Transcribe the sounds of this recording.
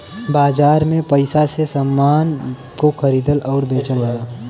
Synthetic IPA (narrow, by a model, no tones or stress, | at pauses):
baːd͡ʒaːɾmẽpəɪsasesəmːaːn | kokʰəɾiːd̪əlɔːɾbeːt͡ʃələaː